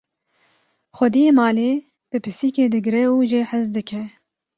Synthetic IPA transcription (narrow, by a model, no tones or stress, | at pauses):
xʷɛd̪ijeːmɑːleː | b̥ɨpʰɨsiːkeːd̪ɨɡɾɛuːʒeħɨzd̪ɨkʰɛ